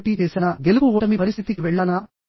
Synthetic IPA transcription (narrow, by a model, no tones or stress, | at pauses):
ʈiːt͡ʃeːsɐnɐɡelukuoːʈɐmipɐɾist̪ʰit̪ikiʋɛɭːanɐ